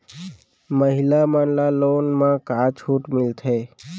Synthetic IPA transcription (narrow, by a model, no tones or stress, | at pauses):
məɦɪlamaːnlaloːnmãkat͡ʃʰuːʈmɪlt̪ʰɦeː